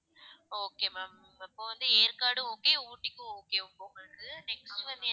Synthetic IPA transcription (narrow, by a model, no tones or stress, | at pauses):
oːkeːmem | ɪpːoːʋɐnd̪ɯeːɾkaːɽɯ̃oːkeːuːʈːɪkʲːɯoːkeːʊpoːŋɐɾɐkɐɯnɛksʈʋɐnd̪